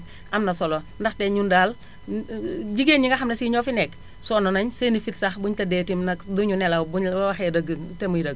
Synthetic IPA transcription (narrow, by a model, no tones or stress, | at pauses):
ʔɐmnɐsɔlo | ndɐxtɛɲundaːl | ɟiɡeːnɲiŋɡɐxɐmnɐsiɲɔfinɛk | sɔːnɔnɐɲseːnifitsɐxbuɲtɐdɛːtimnɐkduɲunɛlawbubɐwaxɛdɐɡtemujdɐɡ